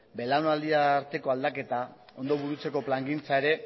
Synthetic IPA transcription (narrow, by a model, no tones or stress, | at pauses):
be̞lawnald̪iaɾt̪e̞ko̞ald̪ake̞t̪ao̞nd̪o̞βuɾut͡se̞ko̞plaŋɡint͡sae̞ɾe̞